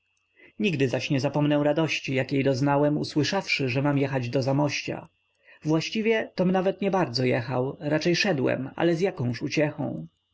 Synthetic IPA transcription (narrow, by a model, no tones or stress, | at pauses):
ɲiɡd̪ɘzaɕɲɛzapɔmnɛw̃ɾad̪ɔɕt͡ɕijakʲjejd̪ɔznawɛmṵswɘʂafʂɘʐɛmamjɛxad͡ʑd̪ɔzamɔɕt͡ɕa̰ | vwaɕt͡ɕivʲjɛt̪ɔmnavɛt̪ɲɛbaɾd̪zɔjɛxawɾat͡ʂɛjʂɛd̪wɛ̰ma̰lɛzjakɔ̃w̃ʂut͡ɕɛxɔ̰̃w̃